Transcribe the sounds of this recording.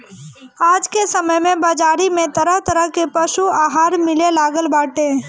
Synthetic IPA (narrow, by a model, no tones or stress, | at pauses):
aːd͡ʒkesəməjmẽbaːd͡ʒaːɾimẽt̪əɾəɦt̪əɾəɦkepɐʃuaːɦaːɾmɪlelaːɡəlbaːʈẽː